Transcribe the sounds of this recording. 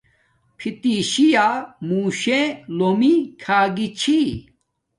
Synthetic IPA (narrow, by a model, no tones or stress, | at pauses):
pʰit̪iːɕijaːmũːɕẽlomikʰaːɡit͡ɕʰi